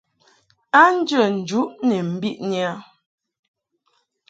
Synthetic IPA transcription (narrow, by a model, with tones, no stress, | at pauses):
a˦n̩˦d͡ʒə˦˨n̩˨d͡ʒu˨˦ʔnɛ˨m̩˨˦bi˦ʔn˦a˦